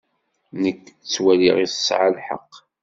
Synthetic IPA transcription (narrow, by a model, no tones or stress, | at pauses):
nəkːt͡sːwæliʁiθə̥sʕalħə̰qː